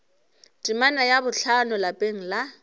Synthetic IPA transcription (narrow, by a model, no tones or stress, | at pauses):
tʼimanajabʊɬʰanʊlapʼeŋ̩la